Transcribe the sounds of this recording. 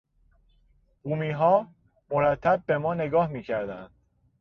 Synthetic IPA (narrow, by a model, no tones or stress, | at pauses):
buːmiːɦɒː | moɾæt̪ʰːæb̚ːe̞mɒːne̞ɡɒːhmiːcʰæɾd̪ænd̪̥